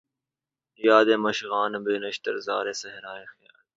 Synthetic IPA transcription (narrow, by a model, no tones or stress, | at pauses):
jaːd̪eːmɐʃɣaːnbeːnəʃt̪əɾzaːɾeːsəɦɾaːexja̰ːl